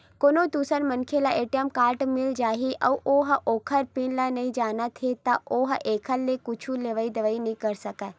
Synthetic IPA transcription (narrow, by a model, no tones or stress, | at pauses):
koːnõd̪uːsəɾmɐnkʰelaʔeːʈijəmkaːɾʈmɪld͡ʒaːɦiʔɐʋʔoːɦʔoːkʰəɾpiːnlanɐĩd͡ʒaːnat̪ʰet̪aʔoːɦʔeːkʰəlːekʊt͡ʃʰuleʋaid̪ɐʋainəĩkɐɾsɐkɛː